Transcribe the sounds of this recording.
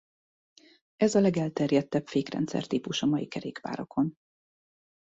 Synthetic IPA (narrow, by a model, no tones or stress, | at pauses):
ɛzɒlɛɡɛlt̪ɛrjɛt̪ːɛpfeːkrɛ̰nt̪sɛ̰rt̪iːpuʃɒmɒjikɛɾḛːkʋa̰ːɾokʰo̞n